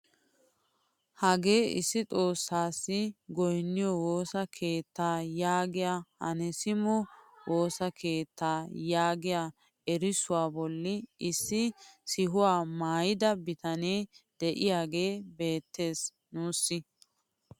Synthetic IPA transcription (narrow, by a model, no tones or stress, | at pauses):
hɐɡe̞ːɪ̰sːɪt͡sʼo̞ːsːaːsːɪɡɔjnːɪjɔwo̞ːsɐkʰe̞ːt̪ːaːjaːɡɪjaːhɐ̰nɛsɪmɔwo̞ːsɐkʰe̞ːt̪ːaːjaːɡɪjaː | ɛɾɪsʊwaːbɔlːɪɪsːɪsɪɦʊwaːmaːjɪd̪ɐbɪt̪ɐneːd̪̥ɛʔɪjaːɡe̞ːbe̞ːt̪ːe̞ːs | nuːsːɪ